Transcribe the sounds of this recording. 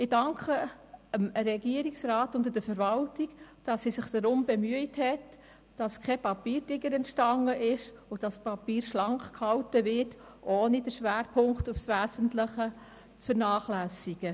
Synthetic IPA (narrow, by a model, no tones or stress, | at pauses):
ɪdɑŋkʰχə | əmɾɛɡiəɾiksrɑːtʊntdədəfəɾvɑltiɡd̥ɑsːisɪχd̥əɾʊmbɛmyəɪthɛt | d̥ɑskʰɛpɑpiːɾdɪɡəɾɛntʃtɑŋːəʔɪʃʊd̥ɑspɑpiːɾʃlɑŋkχkhɑltəvɪrt | ʔoːnidəʃʋæːɾpʰʊŋktʊfsvæːzən̩tləχə | t͡sfəɾnɑːχlæːsiɡ̥ə